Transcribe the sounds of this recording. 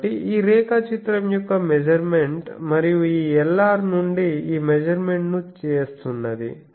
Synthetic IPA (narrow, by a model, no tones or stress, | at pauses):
ʈiʔiːɾɛːkɐt͡ʃit̪ɾɐmjɔkːɐmed͡ʒɐɾmeɳʈmɐɾijuiːɛlːaːɾnuɳɖiiːmed͡ʒɐɾme̞ɳʈnut͡ʃeːst̪unːɐd̪ḭ